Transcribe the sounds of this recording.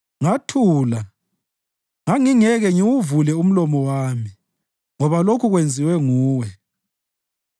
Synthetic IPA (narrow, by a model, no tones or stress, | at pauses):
ŋatʰuːla | ŋaŋiŋɛɣɛŋiwuvulɛum̩lɔmɔwaːmi | ŋɔβalokʰuɣwend͡zʱiwɛŋuːwɛ